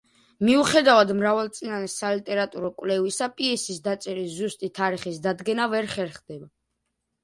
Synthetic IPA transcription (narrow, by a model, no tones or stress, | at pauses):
miuχɛd̪avad̪mɾavalˠt̪sʼinanɛsalit̪ʼɛɾat̪ʼuɾɔkʼwvlɛvisapʼiɛsisd̪at̪sʼɛɾiszust̪ʼit̪ʰaɾiχisd̪ad̪ɡɛnavɛɾχɛɾχd̪ɛba